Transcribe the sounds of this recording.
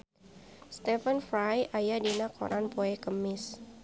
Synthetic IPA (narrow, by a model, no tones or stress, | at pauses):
st̪ɛfənfɾajajadinakʰo̰ɾʔanpoɛkəmɪs